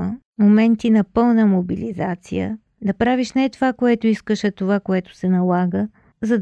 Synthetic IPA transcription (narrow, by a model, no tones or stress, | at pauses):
momɛnt̪inɐpɤlˠnəmobilizat̪sḭjə̰ | d̪ɐpɾaviʃnɛt̪ovakoɛt̪oiskəʃɛt̪ovakoɛt̪o̥sɛnɐlˠaɡə | zɐd̪